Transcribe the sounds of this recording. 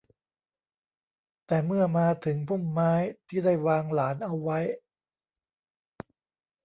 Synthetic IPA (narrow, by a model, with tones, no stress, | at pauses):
t̪ɛː˨˩mɯ˥˩ɐmaː˧t̪ʰɯ˩˦ŋpʰu˥˩mːaː˦˥jt̪ʰiː˥˩da˥˩jwaː˧ŋlaː˩˦nʔa˧wːa˦˥j